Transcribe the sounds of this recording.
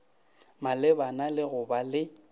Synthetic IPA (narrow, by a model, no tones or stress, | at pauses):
malɪbanalɪɣʊbalɪ